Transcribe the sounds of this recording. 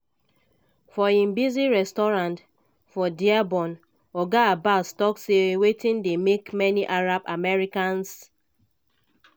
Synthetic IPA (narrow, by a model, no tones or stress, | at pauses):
fɔĩmbiziɹɛstɔɹãnt | fɔdiabɔ̃n | ɔɡabastɔksewetĩndemekmɛniʔaɹabamɛɹikãns